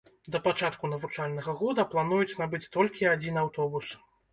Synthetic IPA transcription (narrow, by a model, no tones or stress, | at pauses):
d̪ɐpat͡ʂat̪kunɐvut͡ʂalʲnɐɣɐɣɔd̪ɐplˠanujut͡sʲnabɨt͡sʲt̪ɔlʲkʲiad͡zʲinawt̪ɔbus